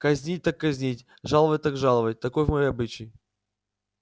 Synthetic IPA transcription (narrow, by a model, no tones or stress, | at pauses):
kɐzʲnʲitʲt̪akːɐzʲnʲitʲ | ʐalˠəvət̚ʲt̪akʐalˠəvət̚ʲt̪ɐkojvmɐjejɐbɨt͡ɕɪj